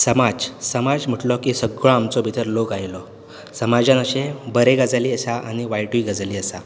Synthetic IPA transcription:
səmad͡zsəmad͡zm̤əʈlɔkisəɡɭɔamt͡sɔbʱit̪əɾlokajlɔ | səmad͡ʑãnəɕebəɾeɡad͡zaliːəsaaɽ̃iʋajʈuiɡəd͡zaliːəsa

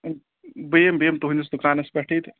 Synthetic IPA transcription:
bembeːmt̪uɦunʲis̬d̪ukɾaːnɐspɐʈʰit̪

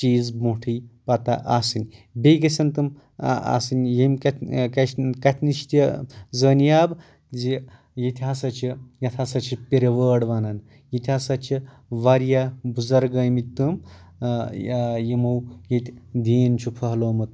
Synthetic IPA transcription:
t͡ʃiːzmuʈʰiːpɐt̪aʔasɨnʲbejɡɐsɐnt̪ɨm | a̰sɨnʲjemʲkɐkɐkɐt̪ʰniʃt̪ʲizəːnjaːb | zi | jit̪ʲʰaːsɐt͡ʃʰijɐt̪ʰasɐt͡ʃʰipʲeɾɐʋəːɽʋaːnɐn | jit̪ʲʰasɐt͡ʃʰi | ʋaɾjabuzɐɾɡɐmit̪ɨm | jimɐwjet̪ʲd̪iːnt͡ʃʰupʰɐɦloːmɨt̪

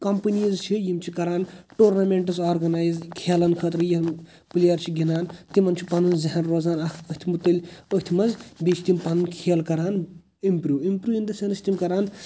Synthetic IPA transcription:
kɐmpɨnizt͡ʃʰijimt͡ʃʰikɐɾaːnʈoːɾnaːmeɳʈɐsaːɾɡɐnaːjzkʰeːlɐnkʰəːt̪ɾjim | plijɐɾt͡ʃʰiɡʲinaːnt̪imɐnt͡ʃʰi̥pɐnunzɐɦɐnɾoːzaːnɐkʰət̪ʰimut̪ːəlʲəɦt̪ʰimɐnzbit͡ʃʰt̪impɐnɨnkʰeːlkɐɾaːn | impɾuːʋimpɾuːjind̪ɐsʲɐnɨst̪imkɐɾaːn

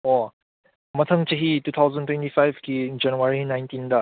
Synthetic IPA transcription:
ɔ | mɐt̪ʰəŋt͡ʃəɦitut̪ʰawzəntwɛ̃ntifajvkid͡ʒanuaɹinajntinda

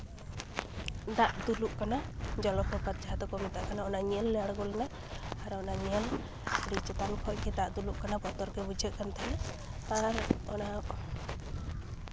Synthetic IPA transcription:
d̪aʔd̪uluʔkanad͡ʒɔlɔpɔpaɾd͡ʒaɦt̪ɔkɔmɛt̪aʔkanaɔnaɲəlːɛjaɽɡɔlna | aɾɔnaɲiəl | ɾit͡ʃɛt̪ankʰɔʔɡɛt̪aʔd̪uluʔkanabɔt̪ɔɾkɛbud͡ʒʱəʔ̪̚kant̪ʰanɛ | aɾɔna

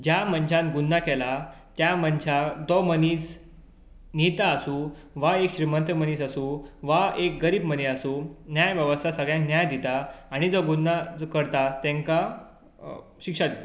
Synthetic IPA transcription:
d͡ʑjaməɲt͡ɕʰãnɡunːakɛla | t̪jamənt͡ɕʰad̪ɔməniːs | nit̪aːsuː | ʋaekɕɾimənt̪ɾəməniːsəsuʋaek̚ɡəɾiːbməniasunjajʋjəʋəst̪ʰasəɡɭjãŋknjajd̪it̪aːɽ̃id͡zɔɡunːakəɾt̪at̪ɛ̃ŋka | ɕikʂad̪it̪a

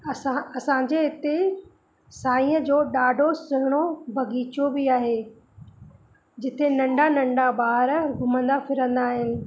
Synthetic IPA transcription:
aɐsãɲd͡ʑeɪt̪e | saːĩəd͡ʑoːɗaːɖʱosɪɦɪɽ̃obʱɐɡiːt͡ɕobɪaːɦeː | d͡ʑɪt̪enɐ̃ɳɖʱanɐ̃ɳɖabaːɾɡʱʊmə̃nd̪afɪɾə̃nd̪aːɦɪnɪ̆

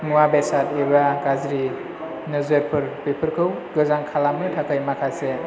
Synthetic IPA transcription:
ŋuwabesatebakazɾi | nɯzɯɾpʰɯɾpepʰɯɾkʰɯwɡɯzaŋkʰalamɯtʰakʰɯjmakʰase

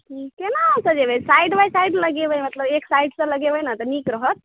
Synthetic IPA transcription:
ʈʰikenasəd͡ʒebesajɖbajsajɖləɡebəjmət̪ləbeksajɖsə̃ləɡebəjnat̪ɔnikɾəɦət̪̚

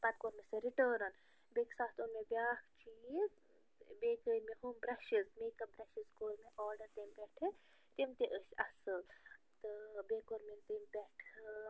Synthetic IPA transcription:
pɐt̪̚koːɾmesɐɾiʈəːɾɐn | beːksaːt̪ʰunmebjaːkt͡ʃiz | beːkəɾmeɦumbɾɐʃizmeːkɐbɾɐʃizkoːɾmeʔɔːɾɖɐɾt̪impʲɛkʈʰɨ | t̪imt̪eʔəʃɐsɨl | t̪ɨbekoɾment̪impʲɛkʈʰ

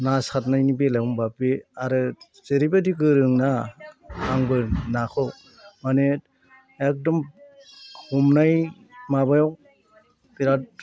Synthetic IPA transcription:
nasatnajnibelaumbapeaɾɯ | zeɾibadiɡɯɾɯŋna | aŋbɯnakʰɯ | mane | ek̚dɔm | humnaj | mabajaw | piɾat

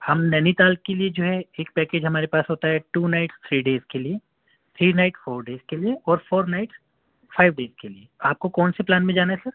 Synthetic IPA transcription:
hɐmnɐnit̪aːlkkːelied͡ʒoːɦɛeːk̚pɛːkeːd͡ʒɦɐmaːɾepaːsɦoːt̪aɦɛʈuːnaːɪʈst̪ʰɾiːɖeːzkelie | t̪ʰɾiːnaɪʈsfoːɾɖeːzkelieɔːɾfoːɾnaɪʈs | faːɪʋɖeːz̥kelieaːp̚kokɔːnseplaːnmẽd͡ʒaːnaɦɛsɐɾ

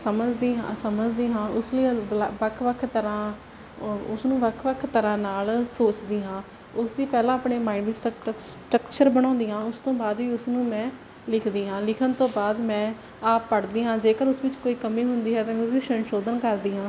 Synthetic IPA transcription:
səməd͡ʒd̪iːɦã̰ːsəməd͡ʒd̪iːɦãːʊsləiʋəkʰʋəkʰt̪əɾãː | ʊsnũːʋəkʰʋəkʰt̪əɾãːnaːlsoːt͡ʃd̪iːɦãː | ʊsd̪iːpɛːlãːəpɳeːmaːɪɳʋiːsʈsʈɾəkt͡ʃəɾbəɽ̃ãːnd̪iːɦãːʊst̪õːbaːd̪ʋiːʊsnũːmɛ̃ː | lɪkʰd̪iːɦãːlɪkʰənt̪õːbaːd̪mɛ̃ː | aːpːəɽd̪iːɦãːd͡ʒeːkəɾʊsʋɪt͡ʃkoːiːkəmiːɦʊnd̪iːɦɛːt̪ãːʊsʋɪt͡ʃʃənʃoːd̪ənkəɾd̪iːɦãː

